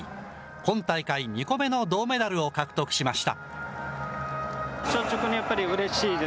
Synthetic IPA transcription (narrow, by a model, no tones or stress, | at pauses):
kõ̞nt̪aikaiɲʲiko̞me̞no̞d̪o̞ːme̞d̪aɾɯ̟o̞kakɯ̟̥t̪o̞kɯ̟ɕimaɕi̥t̪a̰ | ɕoːt͡ɕokɯɲ̟ijapːaɾʲiɯ̟ɾe̞ɕiːd̪e